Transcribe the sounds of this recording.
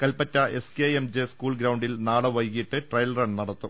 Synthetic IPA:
kɐlpɐtːɐʔe̞skeemd͡ʑeskuːɭɡɾɐwɳɖilnaːɽɐʋɐjkiʈːɨʈrɐjlɐrɐɳnɐɽɐt̪ːu

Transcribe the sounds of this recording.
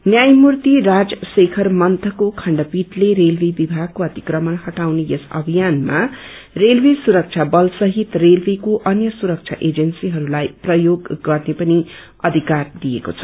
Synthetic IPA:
njajmurt̪irad͡zsekʰʌrmʌnt̪ʌkokʰʌɳɖʌpiʈleɾelbʱibibʱaɡ̚koʌt̪i̥krʌmʌnhʌʈawnejesʌ̰bʱijanma | relbʱisuɾʌk̚t͡sʰabʌlsʌɦit̪relbʱekoʔʌnjʌsuɾʌk̚t͡sʰa̰ʔed͡zʌnsiɦʌɾulajprʌjoɡːʌrnepʌni | ʌd̪ʱikard̪ijekot͡sʰʌ̥

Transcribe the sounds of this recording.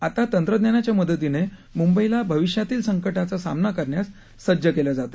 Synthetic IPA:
at̪at̪ənt̪ɾəd̪njanat͡ɕjaməd̪ət̪ine | mumbəilabʱəʋiʂjat̪iːlsəŋkəʈat͡sasa̰mnakəɾɳjasː | əd͡ʑəkelad͡zat̪ḁ

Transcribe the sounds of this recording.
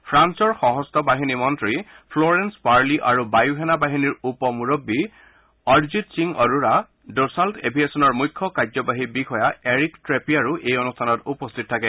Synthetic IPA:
pʰɹansɔɹxɔɦɔstʰɔbaɦinimɔntɹi | pʰlɔɹɛnspaɹliʔaɹubajuɦɛnabaɦiniɹupɔmuɹobːi | ɔɹzitsiŋɔɹuɹa | dosaltebʱiesɔnɔɹmujkʰːɔkazɔbaɦibikʰɔjaeɹiktɹepiaɹuʔejɔnustʰanɔtupɔstʰit̚tʰakɛ

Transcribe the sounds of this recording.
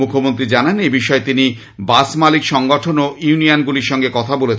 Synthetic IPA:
ukʰomont̪ɾid͡ʑananebiʃɔet̪ini | basmalikʃɔŋɡɔʈʰonoʔjunianɡuliɾʃɔŋɡekɔt̪ʰabolet͡ɕʰ

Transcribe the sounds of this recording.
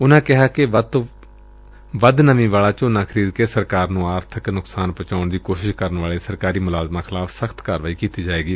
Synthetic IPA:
ʊnãːkɪɦaːkɪət̪ | ʋəd̪nəmĩːʋaːlaːt͡ʃoːnãːkʰəɾiːd̪keːsəɾkaːɾnũːaːɾt̪ʰəknʊksaːnpət͡ʃaːʊɳd̪iːkoːʃɪʃkəɾənʋaːɭeːsəɾkaːɾiːmʊlaːzmãːxʰɪlaːfʰsəxʰt̪kaːɾʋaːiːkiːt̪iːd͡ʒaːeːɡiː

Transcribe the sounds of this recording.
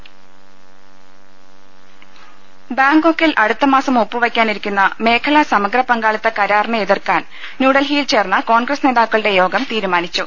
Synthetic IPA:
baːŋɡokːilʔɐɽut̪ːɐmaːsɐmopːɨʋɐkʲːaːniɾikʲːunːɐme̞ːkʰɐlɐsɐmɐɡɾɐpɐŋɡaːɭɐt̪ːɐkɐɾaːrɳɐeðirkaːn | nuːɽɐlɦiːjlt͡ɕe̞ːrnːɐko̞ːɳɡrɐsne̞ːðaːkːɐɭɨɽe̞jo̞ːɡɐmt̪iːɾumaːnit͡ɕːu

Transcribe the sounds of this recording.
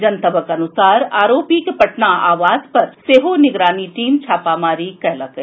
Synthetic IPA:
d͡ʒɐnt̪əbʱəkɐnʊsaːɾaːɾoːpikepɐʈnaaːʋaːzpɐɾseːɦonɪɡɾaːniʈiːmt͡ʃʰaːpamaːɾikɛɦlak

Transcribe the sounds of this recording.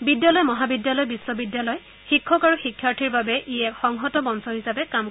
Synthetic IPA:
bidjalɔjmɔɦabidjalɔjbisːɔbidjalɔj | xikʰːɔkaɹuxikʰːaɹtʰiɹbabɛʔijɛkxɔŋɦɔtɔbɔnsɔɦisapɛkam

